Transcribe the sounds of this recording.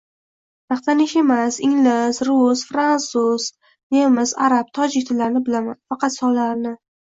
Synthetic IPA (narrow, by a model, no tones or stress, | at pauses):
jɑχt̪ʰanɪʃe̞masɪŋlɪsɾʊsfɾansuz̥ | jemɪzaɾab̚t̪ʰɒd͡ʒɪkʲt̪ʰɪlaɾnɪbɪlamanfɑqʰɑt̪sɒllaɾnɪ